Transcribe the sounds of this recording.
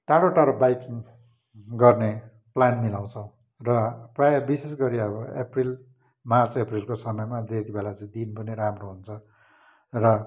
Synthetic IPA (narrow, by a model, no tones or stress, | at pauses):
ʈaɽoʈaɾobajkiŋ | ɡʌrne | planmilaw̃t͡sʰʌ̃w̃ | rʌprabisesɡʌɾiʌbʌḛpril | mart͡seprilkosʌmʌjmad̪et̪ibelat͡sʌĩd̪inpʌniɾamroɦunt͡sʰʌ | rʌ